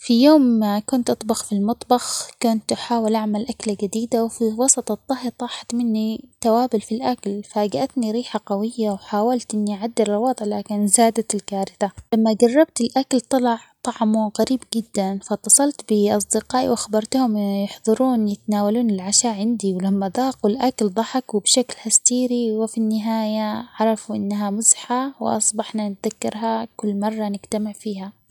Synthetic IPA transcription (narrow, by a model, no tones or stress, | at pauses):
fijoːmakʊnt̪ʔɑt̪ˤbɑxfilmɑt̪ˤbɑxkʊnt̪ʔaħaːwɪlʔaʕmalʔaklaɡad̪iːd̪awfiwɑsˤɑt̪ˤɑt̪ˤːɑɦt̪ˤɑːħḁt̪mɪnːit̪awaːbʊlfilʔaklfaɡaʔat̪niɾiːħaqawɪjːawħaːwalt̪ʔɪnːiʔʕad̪ːɪɾɑlwɑːd̪ˤʕlaːkɪnzaːd̪at̪ɪlkaːɾɪθalamːaɡɑrˤːɑbt̪ɪlʔakalt̪ˤɑlɑʕt̪ˤɑʕmuɣaɾiːbɡɪd̪ːanfat̪ːɑsˤɑlt̪bɪʔɑs̬ˤd̪ɪqɑːʔḭwʔaxɑbɑɾˤt̪hʊmjɪħðˤɨɾuːnjɪt̪naːwaluːnɪlʕaʃaːʔʕɪnd̪iwɪlamːad̪ɑːqʊlʔakld̪ˤɑħɑkwɪbʃaklhast̪iːɾiwɪfinːɪɦaːjaʕɑɾˤɑfuʔɪ̰nːaɦamʊzħawɪ̰ʔɑ̰sˤbɑħnanɪt̪ðakːɑɾɦakʊlːmɑrˤːɑnɪɡt̪amɪʕfiːɦa